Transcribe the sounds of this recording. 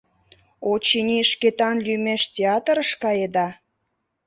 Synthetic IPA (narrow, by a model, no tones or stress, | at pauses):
ot͡ɕinʲiʃket̪ɑnlymeʃtʲeɑt̪əɾəʃkɑjed̪ɑ